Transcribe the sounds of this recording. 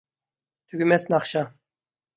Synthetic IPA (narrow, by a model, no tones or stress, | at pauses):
t̪ʰyɡʲymɛsnɑχʃɑ